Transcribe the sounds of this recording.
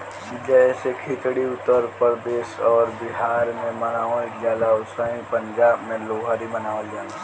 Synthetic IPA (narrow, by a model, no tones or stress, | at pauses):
d͡ʒɛesekʰɪt̪ɽiʊt̪ːəɾpəɾd̪eːʃɔːɾbɪɦaːɾmẽmənaːʋd͡ʒaːlaʊsaĩpə̃ɲd͡ʒaːbmẽloːɦaɾimənaːʋejaːla